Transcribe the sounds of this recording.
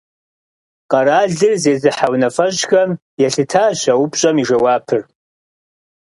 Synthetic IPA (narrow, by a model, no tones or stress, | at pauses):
qʼaɾaɮɨrzezɨħawnafaʒɡam | jaɬɨtʰaːʃʷaupʰʼʃʷʼamiʐawapʰɨr